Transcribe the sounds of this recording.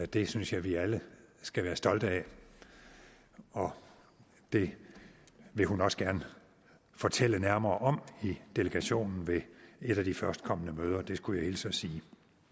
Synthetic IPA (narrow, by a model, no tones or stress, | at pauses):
d̥e̝synsjɑ̈ɪʋiæləsɡ̥æʋæːɐsd̥ɒ̽ld̥əɛ | ɒ̽ | d̥e̝ | ʋe̝ɦunɒ̽sɡ̥æɐnə | fɒ̽t͡sʰel̰ənæɐmɐːʔɒ̽mid̥e̝ləɡ̥æɕo̝̰ːnn̩ʋe̝e̝ɾ̥æd̥ifɶɐsd̥kʰɒ̽m̰ənəmøːð̞ˠɐd̥e̝sɡ̥ujɑ̈ɪe̝̰ːlsɒsiː